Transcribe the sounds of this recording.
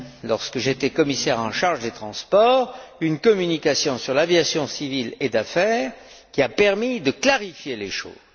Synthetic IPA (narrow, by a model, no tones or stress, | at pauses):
lɔʁskəʒet̪ɛkɔmisɛʁɑ̃ʃaʁʒd̪et̪χɑ̃spɔːʁynkɔmynikasjɔ̃syʁlavjasjɔ̃siviled̪afɛːʁ | kʲiapɛʁmid̪əklaʁifjeleʃo̰ːz̥